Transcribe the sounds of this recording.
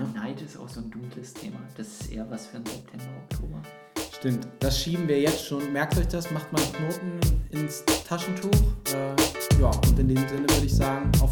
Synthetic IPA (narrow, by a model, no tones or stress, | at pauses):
naɪtɪsta̰ʊxz̥oːnduːkʰləstʰḛːmad̥asɪ̥sʔḛːɐvasfyːɐnzɛp̚tʰɛmbɐɔk̚tʰoːbɐ | ʃtɪmtd̥asʃiːbm̩viːɐjɛt͡stʃoːnmɛɐk̚tɔçd̥asmaχtmaːnkʰnoːtn̩ʔɪnstʰaʃn̩tʰuːχʔɛːjaːʊntɪndeːmzɪnəvʏɐɾəɪçz̥aːɡŋ̩a̰ʊf